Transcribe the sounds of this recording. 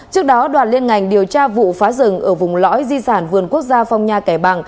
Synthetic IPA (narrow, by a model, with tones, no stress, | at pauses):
t͡ɕɨ˦˥ək̚ɗɔ˨˦ɗwaː˨˩t̚li˧ənŋa˨˩jŋ̟ɗi˨˩əwt͡ɕaː˧vṵ˧˨faː˨˦zɨ˨˧˩ŋʔəː˧˩vʊ˨˩ŋ͡mlɔ̰˧˥jzi˧saː˧˩nvɨ˨˩ənku˦˥ək̚zaː˧fa˧wŋ͡mɲaː˧kaː˧˩jɓa˨˩ŋ